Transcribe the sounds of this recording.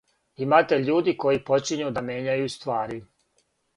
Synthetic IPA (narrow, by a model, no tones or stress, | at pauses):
imaːt̪eʎuːd̪iko̞jipo̞t͡ʃiɲud̪amje̞ːɲajust̪ʋaːɾi